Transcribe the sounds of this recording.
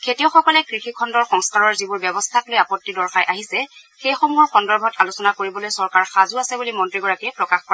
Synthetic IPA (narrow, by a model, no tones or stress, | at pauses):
kʰetijɔxɔkɔlɛkɹixikʰɔndɔɹxɔŋskaɹɔɹzibʊɹbɛbɔstʰatlojapɔtːidɔɹxajʔaɦisɛxejxomuɔɹxɔndɔɹbʱɔtalusɔnakoɹibɔlojsɔɹkaɹxazuasɛbulimɔntɹiɡɔɹakiɛpɹɔkaxkɔɹa